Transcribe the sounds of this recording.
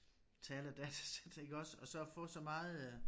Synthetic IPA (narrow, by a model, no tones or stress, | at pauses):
t͡sʰɛːlæd̥æt͡sʰæ̥sed̥e̝ɡ̥ɒ̽sɒ̽sɒ̽fɔ̽ːsɒ̽mɑ̈ːð̩ˠ